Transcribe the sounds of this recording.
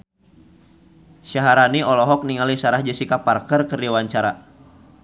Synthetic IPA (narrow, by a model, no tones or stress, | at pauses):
ʃaɦaɾaniɔlɔɦɔk̚niŋalisaɾahd͡ʒəsikaparkərkərdiwaɲt͡ʃaɾa